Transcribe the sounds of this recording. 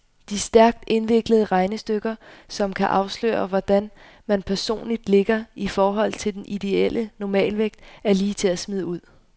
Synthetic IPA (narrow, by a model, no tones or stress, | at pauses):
d̥isd̥æɐɡ̥̚d̥e̝nʋe̝ɡ̥ləð̞̩ˠəʁɑ̈ɪnəsd̥øɡ̥ɐsɒ̽mkʰæʔɑ̈ʊslø̰ːɐʋɒd̥æn | mænpʰæɐso̝̰ːnlid̥le̝ɡ̥ɐifɒːɦɒ̽l̰t͡sʰe̝ld̥enid̥e̝el̰ʔənɒmɛ̰ːlʋeɡ̥d̥æɐliːt͡sʰe̝æsmið̞ˠuð̞̰ˠ